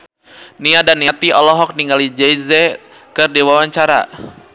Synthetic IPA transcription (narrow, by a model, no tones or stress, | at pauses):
niadanːiat̪iʔɔlɔɦɔk̚niŋɡalid͡ʒɛizɛ | kɨrdiwawaɲt͡ʃaɾa̰